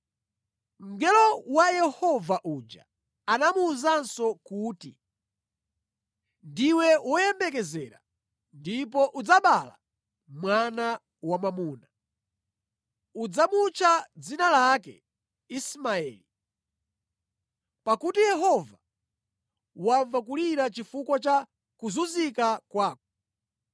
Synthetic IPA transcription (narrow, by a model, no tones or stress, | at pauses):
m̩ɡɛlɔwajɛhɔvaʔuːd͡ʒa̰ | anamuːzansɔkuːtḭ | ndiwɛwɔjɛmbɛkɛzɛɾa̰ | ndip̬ɔʔud͡zaɓala̰ | mwana | wamamuːna | ud͡zamut͡ʃʰad͡zinalakɛ̰ | ismaɛːli | pakutijɛɦɔva | waɱvak̬uliɾat͡ʃifukwat͡ʃa | kuzuzikakwaːkɔ̥